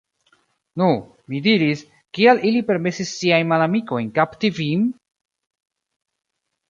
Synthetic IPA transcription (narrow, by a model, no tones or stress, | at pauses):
nu | midiɾis | kialilipe̞ɾme̞sisːiajnmalamiko̞jnkaptivim